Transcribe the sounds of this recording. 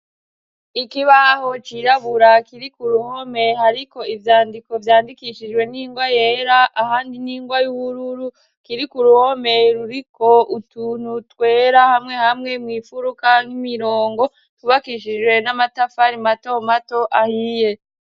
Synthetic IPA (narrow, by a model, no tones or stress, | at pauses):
ikiβaho̞t͡ʃiɾaβuɾakiɾikuɾuhome̞haɾiko̞ivjaːndiko̞vjaːndikiʃid͡ʒɡwe̞niːŋɡwajeːɾaʔahaːndiniːŋɡwajuβuɾuɾu | kiɾikuɾuho̞me̞ɾuɾiko̞ʔutuːn̥utwe̞ːɾahamŋe̞hamŋe̞mŋiːfuɾukaŋhimiɾoːŋɡo̞ | tuβakiʃid͡ʒwe̞namatafaɾimato̞mato̞ʔahije̞